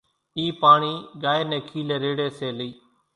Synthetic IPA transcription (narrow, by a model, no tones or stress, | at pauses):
iːpaːɳiːɡaːeːnẽːkʰiːleːɾeːɽeːseːliː